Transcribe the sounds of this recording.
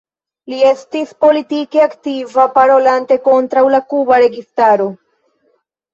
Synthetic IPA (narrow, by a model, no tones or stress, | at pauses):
lie̞stispo̞litike̞aktivapaɾo̞lante̞ko̞ntɾawlakubaɾe̞ɡistaɾo̞